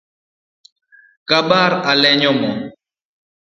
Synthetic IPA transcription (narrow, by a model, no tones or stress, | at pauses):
kaɓaɾalɛɲɔmɔ